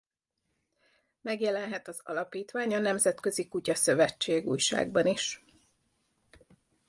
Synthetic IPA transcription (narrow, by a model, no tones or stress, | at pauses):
mɛɡjɛlɛnɦɛt̪ɒzɒ̰lɒpiːt̪ʋaːɲɒnɛmzɛt̪kø̞zikucɒsø̞vɛt͡ʃːeːɡṵːjʃa̰ːɡbɒniʃ